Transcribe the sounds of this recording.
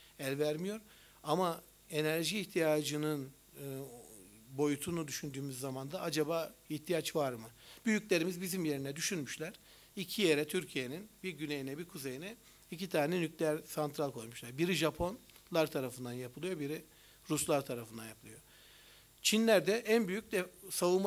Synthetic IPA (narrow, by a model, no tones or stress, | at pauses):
ælʲvæɾmijo̞ɾ | ama | e̞næɾʒiːçt̪ʰijaːd͡ʒɯnɯnː | bo̞jut̪ʰunud̪yʃynd̪yːmyzːamand̪aad͡ʒabaːiçt̪ʰijat͡ʃvaɾmɯb̥yjycʲlʲe̞ɾimizbizimje̞ɾinɛd̪yʃynmyʃlʲæɾ̥ | icʰije̞ɾɛt̪ʰyɾcʰije̞ninbiɾɟynejinɛbiɾkʰuze̞jinɛ | icit̪ʰaːnɛnycʲlʲejæɾsant̪ʰɾalʲˠkʰo̞jmuʃlˠaɾbiɾiʒapʰo̞nlˠaɾt̪ʰaɾafɯnd̪anjapʰɯlˠɯjo̞biɾi | ɾuslˠaɾt̪ʰaɾafɯnd̪anjapʰɯlˠɯjo̞ | t͡ʃʰinlʲæɾd̪ɛʔænbyjyc̚d̪ɛsavɯm